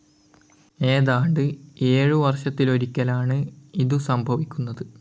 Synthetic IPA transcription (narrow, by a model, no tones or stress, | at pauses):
e̞ːðaːɳɖɨe̞ːɻuʋɐrʂɐt̪ːilo̞ɾikʲːɐlaːɳɨiðusɐmbʱɐʋikʲːunːɐðɨ